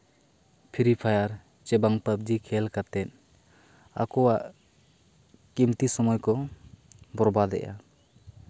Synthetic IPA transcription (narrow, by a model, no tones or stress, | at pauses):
pʰiɾipʰajaɾ | t͡ʃɛbaŋpəb̚d͡ʒikʰɛlkat̪ɛt̪̚ | a̰kɔwaʔ | kimt̪isɔmɔjkɔ | bɔɾbad̪ɛ̰ʔa̰